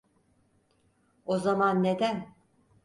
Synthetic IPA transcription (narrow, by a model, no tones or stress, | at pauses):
ozamanːed̪æn